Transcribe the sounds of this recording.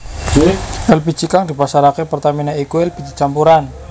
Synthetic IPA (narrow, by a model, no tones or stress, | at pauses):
ɛlpi̥t͡ʃikaŋdi̤pasaɾakepərt̪aminaikuɛlbid͡ʒi̥t͡ʃampuɾan